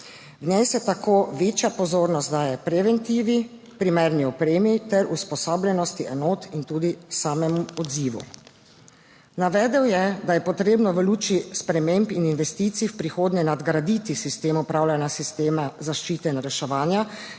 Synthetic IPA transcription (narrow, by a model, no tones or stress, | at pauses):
vnɛːsɛt̪akʰoːʋeːt͡ʃjapɔzoːɾnɔst̪d̪aːjɛpɾɛʋɛnt̪iːʋi | pɾimɛɾniɔpɾeːmit̪ɛɾuspɔsaːblɛnɔst̪iʔɛnoːt̪int̪uːd̪isaːmɛmuɔd̪ziːʋṵ | naʋɛːd̪ɛwjɛd̪ajɛpɔt̪ɾeːbnɔʋəluːt͡ʃispɾɛmempininʋɛst̪iːt̪siːwpɾixoːd̪ɲɛnad̪ɡɾad̪it̪isist̪eːmɔpɾaːwlʲanjasist̪eːmazaʃt͡ʃiːt̪ɛinɾɛʃɛʋaːnja